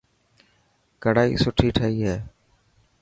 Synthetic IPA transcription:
kəɽaːḭːsʊʈʰiːʈʰəɦiːɦeː

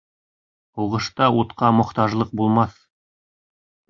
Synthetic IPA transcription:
uʁɤ̆ʃt̪ɑut̪qɑmŏχt̪ɑʒlˠɤq̚bulˠmɑθ

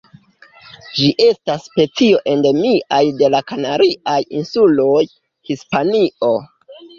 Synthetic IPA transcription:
d͡ʒiʔe̞stasːpe̞t͡sio̞ʔe̞nde̞miʔajde̞lakanaɾiʔajinsulo̞j | hispaniʔo̞

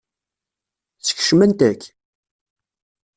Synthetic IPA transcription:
t͡sːə̥ç̥ʃmænt̪ækː

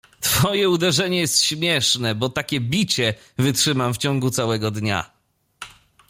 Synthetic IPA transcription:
t̪fɔjɛud̪ɛʐɛɲɛjɛst̪ɕmʲjɛʂnɛbɔt̪akʲɛbʲit͡ɕɛ | vɘtʂɘmamft͡ɕɔ̃ŋɡut̪sawɛɡɔd̪ɲa̰

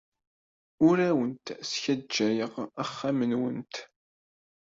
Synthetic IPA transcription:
ʊɾæwənt̪sçæd͡ʒːæjəʁæχːæmənwənt̪

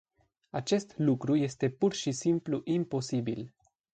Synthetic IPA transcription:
at͡ʃe̞st̪lukɾuje̞st̪e̞purʃisimpluʔimpo̞sibḭl

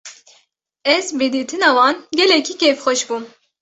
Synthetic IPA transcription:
ɛzbed̪iːt̪ʰɨnɑwɑːnɡɛlɛkʰiːkʰefxɔʃbum

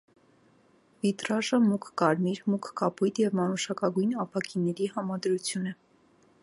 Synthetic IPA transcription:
vit̪ɾɑʒəmukʰkɑɾmiɾmukʰkɑpʰujt̪jɛvmɑnuʃɑkɑɡujnɑpʰɑkʰinɛɾiɦɑmɑd̪ɾut͡sʰjunɛ

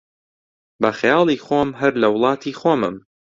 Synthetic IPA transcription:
bɐxjɑːlˠiːxoːmɦɐɾlɐwlˠɑːt̪ʰiːxoːmɨm

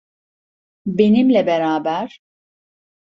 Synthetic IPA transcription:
be̞nimlʲɛbeɾaːbæɾ̥

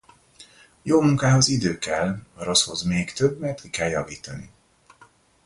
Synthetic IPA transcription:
joːmuŋkaːɦo̞zid̪øːkɛlːɒɾo̞sho̞zmeːkt̪øbmɛrt̪kikɛljɒviːt̪ɒni

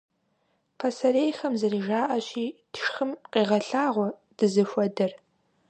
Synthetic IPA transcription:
qʰɐsɐɾeːjxɐmzɨriːʒaːʔɐɕiːd̥ʂxɨmqʼiːʁɐɬaːʁʷɔ | d̥ɨzɨfʷɐdɨr

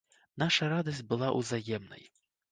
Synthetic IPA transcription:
naʂɐɾad̪ɐs̬ʲtʲbɨlˠaʔṵzajɛmnɐ̰j

